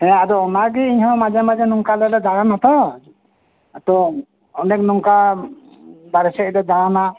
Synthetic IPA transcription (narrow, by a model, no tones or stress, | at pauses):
ɛ̃ad̪ɔɔnaɡɛiɲɦɔ̃mad͡ʒɛmad͡ʒɛnɔŋkalɛlɛd̪aɽanat̪ɔ | at̪ɔ | ɔnɛk̚nɔŋka | baɾɛsɛʔ̚lɛd̪aɽana